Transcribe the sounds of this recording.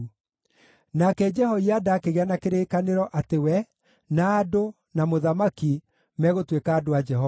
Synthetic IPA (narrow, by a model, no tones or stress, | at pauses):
nakɛd͡ʒɛhɔiadaːkeɣeanakeɾeːkaneɾɔʔatewɛ | naːdo | namoðamaki | mɛɣotwekaːdoad͡ʒɛɦɔ